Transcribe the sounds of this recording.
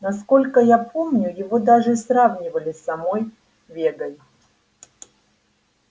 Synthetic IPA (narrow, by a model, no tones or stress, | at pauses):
nɐsko̞lʲkəjapʰomnʲʊjɪvo̞d̪aʐɨsravnʲɪvəlʲɪsːɐmo̞j | vʲeɡəj